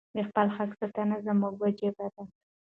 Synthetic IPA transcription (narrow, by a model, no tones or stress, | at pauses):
d̪əxpəlxaksət̪anazəmuɡwad͡ʒebad̪a